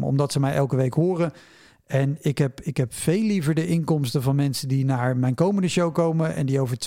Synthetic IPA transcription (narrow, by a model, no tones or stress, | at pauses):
ɔ̰mdɑtsəmɛjʔɛlˠkəʋejkɦʊːrə | ɛnɪkɦɛpɪkɦɛpfejlːivəɹdəʔɪŋkɔmstənvɑnmɛnsəndinaːɹmɛjnkowməndəʃowkowməʔɛ̰ndiowvəɹt